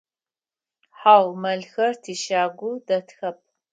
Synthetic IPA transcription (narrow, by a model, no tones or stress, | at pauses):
ħaːwmɐɮxɐrtʰiːʃaːɡʷudɐtxɐp̚